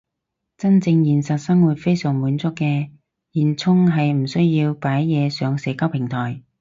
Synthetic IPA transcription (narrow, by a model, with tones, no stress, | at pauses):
t͡sɐ˥nt͡sɪ˧ŋjiː˨˩nsɐ˨t̚sɐ˥ŋwuː˨t̚fe˥jsœː˨˩ŋmuː˨˥nt͡sʊ˥kːɛː˧ | jiː˨nt͡sʰʊ˥ŋɦɐ˨jm̩˨˩sɵ˥ɥjiː˧wpaː˨˥jːɛː˨˧sœː˨˧ŋsɛː˨˧kaː˥wpʰɪ˨˩ŋt̪ʰɔː˨˩j